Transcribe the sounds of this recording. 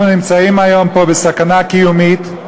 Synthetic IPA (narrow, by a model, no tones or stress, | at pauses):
nɪmt͡saimajɔmpɔbɪsakanakijumit̪